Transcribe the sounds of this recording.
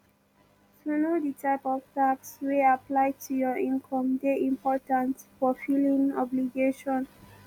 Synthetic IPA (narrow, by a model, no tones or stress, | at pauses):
tunoditʰaɪpɔvtaksweaplaɪtʰujɔĩnkʰɔ̃mdeʔĩmpʰɔtãntfɔfilĩnɔbliɡeʃɔ̃n